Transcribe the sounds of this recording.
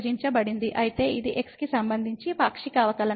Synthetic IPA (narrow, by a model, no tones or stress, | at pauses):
d͡ʒiɲt͡ʃɐbɐɽind̪iʔɐjit̪e̞ːid̪iʔekskisɐmbɐnd̪ʱiɲt͡ʃipaːkʂikaːʋɐkɐlɐ